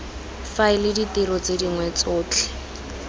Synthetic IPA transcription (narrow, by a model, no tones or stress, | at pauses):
faɪlɪditɪɾɔt͡sediŋwɛt͡sʊːt͡ɬʰɛ̥